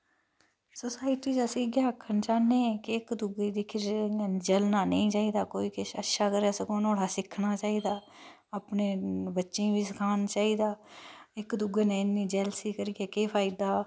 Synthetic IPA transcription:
sosaːɪʈiːd͡ʒaːsiːɡjaːkʰːənt͡ʃaːnẽːkɪkd̪ʊɡeːd̪iːkʰɪɾd͡ʒəlnaːnə̰ĩːt͡ʃaːiːd̪aːkoːiːkeʃə̰tːʃaːkəɾeːsəkoːnoːɽaːsɪkʰːnaːt͡ʃaːiːd̪aː | aːpneːbətːʃẽːʋiːsəkʰaːnt͡ʃaːiːd̪aːɪkd̪ʊɡeːnẽːɪnːĩːd͡ʒɛːlsiːkəɾiɡeːkeːpʰaːid̪aː

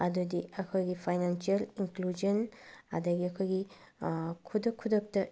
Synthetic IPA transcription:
ɐdudiɐkʰɔjɡipʰajnansiɐliŋklud͡ʒɔnɐ̰dɐɡiɐkʰɔjɡi | kʰudɐkʰːudɐk̚tɐ

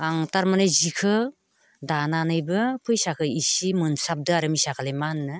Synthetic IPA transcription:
aŋtaɾmanɯjzikʰɯ | dananɯjbɯpʰɯjsakʰɯisimɯnsap̚dɯaɾɯmisakʰalejmanːɯ

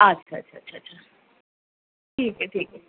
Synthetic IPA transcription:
ɐtːɕʰaɐ̰t͡ʃʰaːɕʰat͡ʃʰa | ʈʰiːkɛʈʰiːkɛ

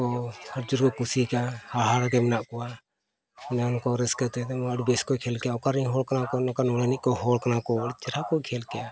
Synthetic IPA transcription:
ɔhəɾd͡ʒuɾkɔkusikahaɽɦaɽakɛmɛnaʔkɔwa | ɔnɛɔnkɔɾɛskət̪ɛt̪ɛməɽbɛskɔkʰɛlkɛjaɔkaɾiɦɔlkanakɔnɔkanɔlɛniʔ̚kɔɦɔlkanakɔəɽt͡ʃɛɾakɔkʰɛlkɛja

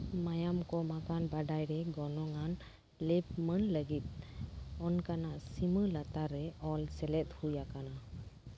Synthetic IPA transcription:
majamkɔmakanbaɖajɾɛɡɔnɔŋan | lɛp̚mənləɡit̪̚ˀ | ɔnkanaʔsiməlat̪aɾɛɔlsɛlɛt̚hujakana

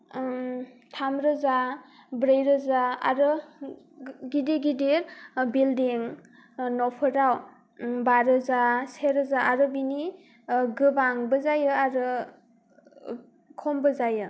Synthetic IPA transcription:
tʰamɾɯzabɾejɾɯzaa̰ɾɯ | ɡideɡidiɾbildiŋ | nɔpʰɯɾaw | baɾɯzaseɾɯzaaɾɯbini | ɡɯbaŋbɯzajɯaɾɯ | kʰɔmbɯzajɯ

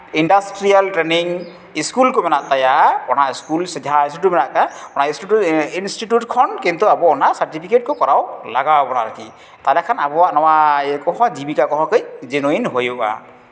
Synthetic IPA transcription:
indastɹialtɹeniŋ | iskulkomɛnaʔt̪ajaɔnaiskulsidʱaisitumɛnaʔkaɔnaistituinstitjut̚kʰɔnkint̪uabɔɔnasaɹtipʰiket̚kʊkɔɹawlaɡabɔnaɾaki | t̪alɛkʰanabɔwaʔnɔwaɛkɔɦɔzibikakɔɦɔkɯjzenuinɦojɔʔa̰

